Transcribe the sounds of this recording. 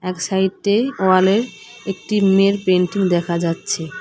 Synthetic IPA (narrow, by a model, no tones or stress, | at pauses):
ɛkʃait̪eoaleɾ | ek̚ʈimeɾpeɳʈiŋd̪ɛkʰad͡ʑatːɕʰe